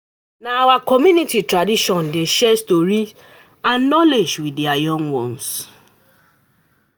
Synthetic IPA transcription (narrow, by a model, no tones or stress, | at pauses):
naawakɔmjunititɾadiʃɔn̩deʃɛstoɾi | anːɔled͡ʒwidiajɔŋwɔn̩s